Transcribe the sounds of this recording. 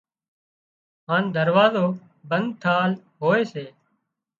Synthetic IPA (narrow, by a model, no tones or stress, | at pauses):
ɦaːnd̪əɾʋaːzoː | bənd̪̚t̪ʰaːlɦoːeːseː